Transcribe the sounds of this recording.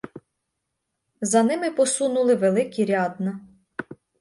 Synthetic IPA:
zɐnɪmɪpɔsunʊlˠɪʋelˠɪkʲiɾʲɑd̪nɐ

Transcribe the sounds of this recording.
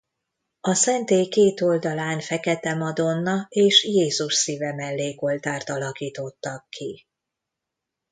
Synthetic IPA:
ɒsɛnt̪eːjkeːt̪o̞ld̪ɒlaːnfɛkɛt̪ɛmɒd̪o̞nːɒeːʃjeːzuʃsiːvɛmɛlːeːko̞lt̪aːrt̪ɒlɒkiːt̪o̞t̪ːɒkʰːi

